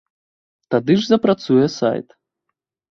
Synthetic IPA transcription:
t̪ad̪ɨʐzɐpɾat̪sujɛsa̰jt̪

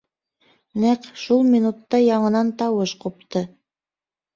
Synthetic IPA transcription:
næqʃulˠmʲinut̪ːɑjɑɴɤ̆nɑnt̪ɑwɤʃqup̚t̪ɤ

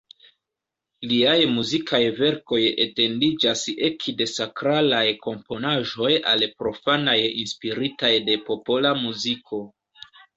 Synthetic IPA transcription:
liajmuzikʰajve̞ɾko̞jḛte̞ndid͡ʒase̞kde̞sakɾalajko̞mpo̞naʒo̞ja̰lpɾo̞fanajinspiɾitajde̞po̞po̞lamuzikʰo̞

